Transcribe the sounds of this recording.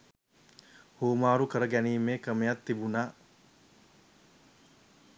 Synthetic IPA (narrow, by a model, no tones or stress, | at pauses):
hoːmaːɾukəɾəɡæniːmːeːkɾəmejat̪ːibunaː